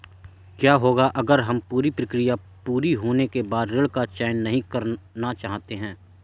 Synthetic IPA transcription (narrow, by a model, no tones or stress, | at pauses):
kjaːɦoːɡaʔɐɡəɾɦɐmpuːɾipɾəkɾɪja | puːɾiɦoːnekebaːd̪ɾɪɭkat͡ʃaːɪnːɐɦĩkɐɾnat͡ʃaːɦt̪eɦɛ̃ː